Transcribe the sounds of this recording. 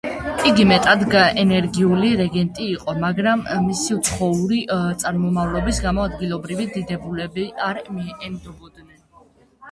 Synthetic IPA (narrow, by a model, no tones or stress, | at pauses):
iɡimɛt̪ʼad̪ɡaɛnɛɾɡiuliɾɛɡɛnt̪ʼiːqʼɔmaɡɾamːisiut̪sʰχɔuɾit̪sʼaɾmɔmavlɔbisɡamɔad̪ɡilˠɔbɾivid̪id̪ɛbulɛbiaɾmiɛmd̪ɔbɔd̪nɛn